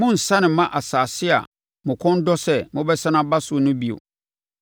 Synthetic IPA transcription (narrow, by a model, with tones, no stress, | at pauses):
mʊ̃˦n̩˨sã˦nɪ̃˨mã˦ʔa˨saː˨sɪ˦a̰˨ | mʊ̃˨kʰɔ̃˦n˦dɔ˦sɛ˦mʊ̃˦bɛ˦sã˦nã˦ba˦sʊ˨˦˨nʊ̃˦bi˦˨o̰˨